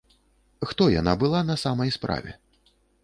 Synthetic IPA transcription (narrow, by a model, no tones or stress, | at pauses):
xt̪ɔja̰na̰bɨlˠanɐsamɐjspɾa̰vʲɛ̰